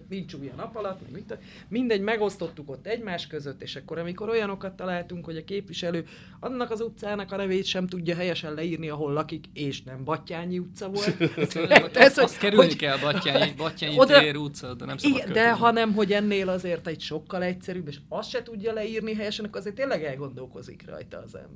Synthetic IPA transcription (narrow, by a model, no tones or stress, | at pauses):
nint͡ʃujɒ̰nɒpɒlɒt̪mɛ̰ɡmint̪ːo | mind̪ɛɟmɛɡo̞st̪o̞t̪ːuko̞t̪ːɛɟmaːʃkø̞zøt̪ːeːʃɒkːo̞ɾɒmiko̞ɾo̞jɒno̞kɒt̪ːɒlaːlt̪uŋkho̞ɟɒkeːpʋiʃɛløː | ɒnːɒkɒzut̪saːnɒkɒnɛveːjt̪ʃɛmt̪uɟːɒɦɛjɛʃɛnlɛiːrniɒɦo̞lːɒkikeːʃnɛmbɒcːaːɲiut̪sɒvo̞lt̪ | ɛshoskɛɾyolnikɛlbɒaːɲibɒcːaːɲiod̪eɾut̪sɒd̪ɛnɛmsiɡɛnd̪ɛɦɒnɛmɦo̞ɟɛnːeːlɒzeːrt̪ɛcʃo̞kːɒlɛcsɛɾybeːʃɒst̪ʃɛt̪uɟːɒlɛiːrniɦɛjɛʃɛnɒkːorɒzert̪eːnlːɛɡɛlɡo̞nd̪o̞lko̞̰zḭkrɒ̰jt̪ɒ̰ːzɛ̰mbɛr